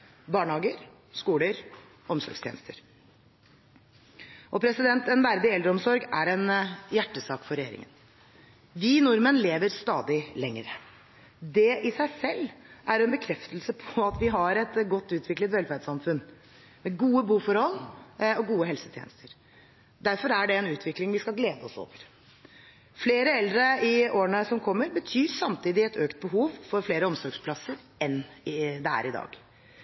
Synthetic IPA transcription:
bɑːɳhɑːɡəɾ | skuːləɾ | ɔmsɔ̰ɾɡst̪jḛnst̪əɾ | ʔɔpʰɾɛsɪd̪ɛnt̪ɛnʋæɾd̪ɪɛld̪ɾəɔmsɔɾɡæɾɛnjæʈːəsɑːkfɔɾɛjḛːɾɪ̰ŋə̰n | ʋinʊɾmənleːʋəɾst̪ɑːd̪ɪlɛŋːəɾə | d̪ɛʔɪsæɪsɛlːʔæɾɛnbəkʰɾɛft̪əlsəpʰɔɑt̪ʋɪɦɑɾɛt̪ɡɔt̪ːʉːt̪ʰʋɪklət̪ʋɛlfæɾɖ̪sɑmfʉn | mɛɡuːəbuːfɔɾhɔlɔɡuːəɦɛlsət̪ʰjɛ̰ːnəst̪əɾ | d̪æɾfɔɾæɖɛɛnʉːt̪ʰʋɪklɪŋʋɪskɑlɡleːd̪əɔso̰ːʋəɾ | fleːɾəɛld̪ɾəɪoːəɳəsɔmkʰɔmːəɾbət̪ʰyːɾsɑmt̪ʰiːd̪ɪɛt̪ʰøːkt̪̚bəɦuːʋfɔɾfleːɾəɔmsɔɾɡspʰlɑsəɾ | ɛnd̪ɛæ̰ɾɪd̪ɑ̰ːɡ

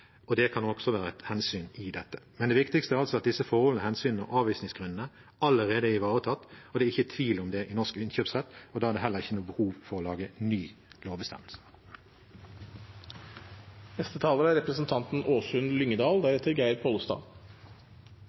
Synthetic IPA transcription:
ɔd̪ɛkʰɑnɔksɔʋæːɾəæt̪hɛnsyːnɪd̪ɛt̪ːə̥mɛnd̪ɛːʋɪkt̪ɪkst̪əæːʁɑlsɔɑt̪̚d̪ɪsːəfɔʁhɔlnəhɛnsyːnənəɔ̰ʔɑːʋiːsnɪŋsɡ̥ʁʉnn̩ə | ɑlːəʁeːd̪əɪʋɑːʁət̪ʰɑt̪ːɔd̪ɛːɪçːət̪ʰʋiːlɔmd̪ɛʔɪnɔʁʂkɪnçøːpsʁɛt̪ːɔd̪ɑːæɖ̪ɛːɦɛlːəʁɪçːənuːbəhuːʋfɔʁɔːlɑːɡənyːloːʋbəst̪ɛ̰məlsə̥ | nɛst̪ət̪ʰɑːləɾəæɾɛpɾəsənt̪ʰɑnt̪n̩ʔoːsʉnlʏŋːəd̪ɑːld̪æɾɛt̪ːəɾɡæɪɾpʰoːlst̪ɑ̰ː

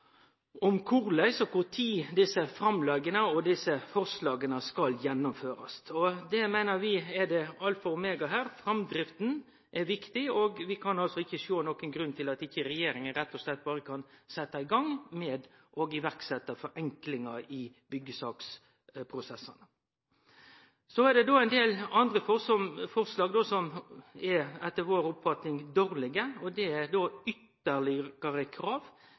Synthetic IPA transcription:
ɔmkʰʊʁlæɪsɔkʊɾt̪ʰiːd̪ɪsəfɾɑmlɛɡənəɔd̪ɪsəfɔʁslɑːɡənəskɑljɛnːɔmføːɾɑst̪ʰɔd̪ɛmæɪnəɾʋɪɛd̪ɛɑlt̪fɔʁmeːɡɑɦæːɾfɾɑmd̪ɾɪft̪n̩ | ʔɛʋɪkt̪ɪɔɡʋɪkʰɑnɑlsɔɪçːəʃoːnɔkənɡɾʉnt̪ʰɪlɑt̪ɪçːəɾɛjeːɾɪŋənɾɛt̪ːɔslɛt̪̚ːbɑːɾəkʰɑnsɛt̪ːɑɪɡɑŋmɛd̪ʔɔɡɪʋæɾksɛt̪ːəfɔɾɛŋklɪŋɑɪ | bʏɡːəsɑːks | pʰɾʊsɛsːɑnə | sɔæd̪ɛd̪oːæɪnd̪eːlɑnd̪ɾəfɔsɔmfɔɾslɑːɡd̪oːsɔmɛɛt̪ːəʋoːɾʊpfɑt̪nɪŋd̪oːɾlɪɡəɔd̪ɛæɾd̪oːʏt̪ːəlɪɡ̥əɾəkʰɾɑːʋ

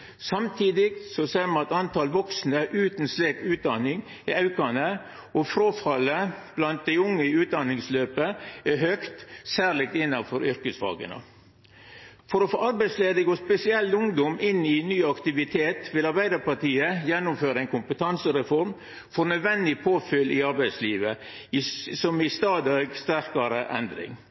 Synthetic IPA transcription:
sɑmt̪ʰiːd̪ɪɡsɔseːɾmɑnɑt̪ɑnt̪ʰɑːlʋɔksnəʔʉːt̪n̩sleːkʉːt̪̚d̪ɑnɪŋ | ɪɑʉkɑnə | ɔfɾoːfɑləb̥lɑnt̪̚d̪ɛɪʊŋːəʉːt̪̚d̪ɑnɪŋsløːpəæɦœkt̪sæːɾɭɪk̚t̪ɪnːɑfɔɾʏɾkəsʋɑ̰ːɡə̰nə̰ | fɔɾɔfo̰ːʔɑɾbæɪsleːd̪əɡoːspɛsɪɛlt̪ʊŋd̪ɔmʔɪnːɪnyːɑkt̪ɪʋɪt̪ʰeːt̪ʋɪlɑɾbæɪd̪əɾpɑʈiːəjɛnːʊmføːɾəɛɪnkʰʊmpət̪ʰɑnsəɾɛfɔɾm | fɔɾnœd̪ʋɛnd̪ɪpʰoːfʏlʔɪɑɾbæɪsliːʋə | sɔmɪst̪ɑːd̪ɑɡst̪æɾkɑɾəʔɛnd̪ɾɪ̰ŋ

